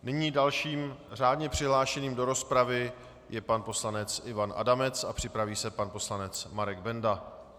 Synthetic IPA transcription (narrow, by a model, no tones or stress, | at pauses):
nɪɲiːdalʃiːmr̝aːdɲɛpr̝̥ɪɦlaːʃɛniːmdo̞ɾo̞spɾavɪ | jɛpanpo̞slanɛt͡sɪvanʔa̰damɛt͡sapr̥ɪpɾaviːsɛpanpo̞slanɛt͡smaɾɛɡbɛnda